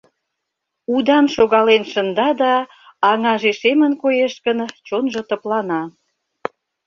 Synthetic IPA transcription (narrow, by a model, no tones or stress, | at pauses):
ud̪ɑnʃoɣɑlenʃə̆nd̪ɑd̪ɑː | ŋɑʒeʃemə̆nkojeʃkənt͡ɕonʒŏt̪ə̆plɑnɑ